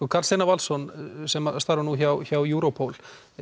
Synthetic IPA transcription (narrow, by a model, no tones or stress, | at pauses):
ukʰaɾlsenavalsɔnsɛmast̪aːɾanuçawçawjuːɾopʰowl